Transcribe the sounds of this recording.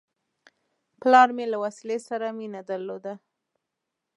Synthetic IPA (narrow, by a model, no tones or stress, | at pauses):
plɑɾmelawasilesaɾaminad̪aɾlod̪a